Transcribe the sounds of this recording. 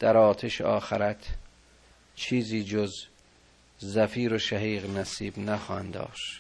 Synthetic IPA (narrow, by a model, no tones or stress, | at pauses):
d̪̥æɾɒːt̪ʰeʃeɒːxæɾæt̪ʰ | t͡ʃʰiːziːd͡ʒoz | zæfiːɾoʃæɦiːɣnæsiːbnæxɒːhænd̪ɒ̰ːʃt̪